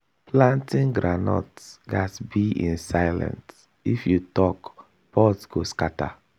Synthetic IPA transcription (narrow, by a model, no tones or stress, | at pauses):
plãntĩŋɡɾanɔ̰tsɡasbiʔĩnsajlã̰nt | ifjutɔk | pɔtɡ̥oskata̰